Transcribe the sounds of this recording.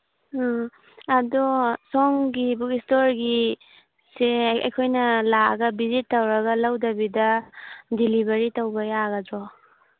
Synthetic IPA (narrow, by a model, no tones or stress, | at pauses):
ɐdusɔŋɡibukistoɾɡi | seɐ̰jkʰojnɐla̰ɡɐbizitːawɾɐɡɐlawdɐbidɐdilibɐɾitawbɐjaɡɐdɾɔ